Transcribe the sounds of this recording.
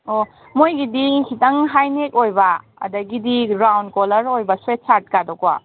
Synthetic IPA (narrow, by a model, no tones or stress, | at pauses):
o | mojɡidihitaŋɦajnek̚ojba̰ː | dɐɡidiɾawndkɔlɐɾojbɐswet̚sat̚kadɔkwa̰